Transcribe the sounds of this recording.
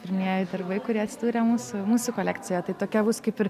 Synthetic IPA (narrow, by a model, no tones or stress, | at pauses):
pʲɪɾʲmɪnʲeːjɛɪd̪ɐrbɐɪkʊɾʲiɛɐt̪ʲsʲɪd̪uːɾʲɛmuːsʊmuːsʊkoːlʲæːkt͡s̪ʲɪjɛt̪ɐɪt̪oːkʲɛbʊskɐɪpɪɾ